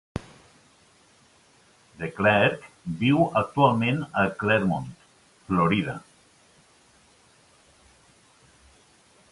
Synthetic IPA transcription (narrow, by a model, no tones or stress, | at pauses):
d̪eklɛɾk | biwək̚t̪ualˠmẽnəklɛɾmont̪ | floɾiða̰